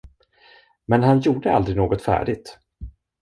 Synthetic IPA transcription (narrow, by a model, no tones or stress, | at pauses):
mɛnɦanjuːɖəa̰ld̪ɾɪɡnoːɡɔt̪fæ̰ːɖɪɡ̚t̪